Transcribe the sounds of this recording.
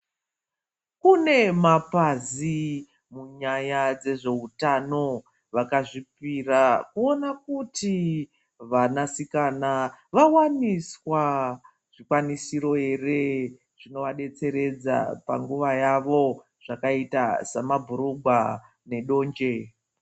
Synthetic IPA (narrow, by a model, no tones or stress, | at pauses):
kune̞mapazi | muɲajad͡ze̞ʐe̞utano̞ | ʋakaʐip̚irakuo̞nakuti | ʋanasikanaʋawaniswa | ʐ̥ikwanisiɾo̞e̞re | ʐ̥ino̞ʋaɗe̞t͡se̞ɾe̞d͡za̰pa̰ŋɡuʋajaʋo̞ | ʐ̥akaita̰samabʱuɾuɡʱwa | ne̞ɗo̞ːɲd͡ʒe̞